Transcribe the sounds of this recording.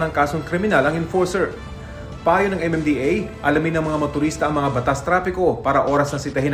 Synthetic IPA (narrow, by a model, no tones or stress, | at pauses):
nɐŋkaːso̞ŋkɾɪmɪnalɐŋɪnfoɹsɛɹ | pɐʔaːjo̞nɐŋʔɛmɛmd̪iʔejʔɐlɐmɪnːɐŋmɐŋamɐt̪ʊɾiːst̪ɐʔɐŋmɐŋabɐt̪ast̪ɾaːpɪko̞paːɾɐʔo̞ːɾɐsnɐsɪt̪ɐɦɪn